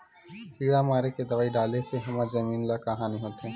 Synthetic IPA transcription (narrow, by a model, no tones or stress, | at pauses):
hiːɽamaːɾeked̪ɐʋaːiɖaːleseɦɐmaːɾzɐmiːnlakaɦaːniɦoːt̪eɦɛ̃ː